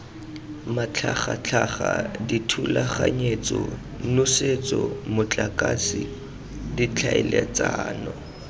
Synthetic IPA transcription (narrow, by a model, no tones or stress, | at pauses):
mat͡ɬʰaχat͡ɬʰaχaditʰulaχaɲet͡sʼɔ | nʊset͡sʼɔmʊt͡ɬʼakʼasi | dit͡ɬʰaɛlɛt͡saːnɔ